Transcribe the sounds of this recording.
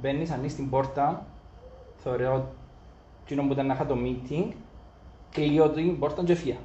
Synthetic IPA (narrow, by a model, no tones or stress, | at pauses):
benːisɐnːist̪imboɾt̪ɐn | θeoɾeo | t͡ʃinombuit̪ɐnːɐxɐt̪omit̪ʰiŋɡ | kliot̪uimboɾt̪ɐɲd͡ʒefiɐ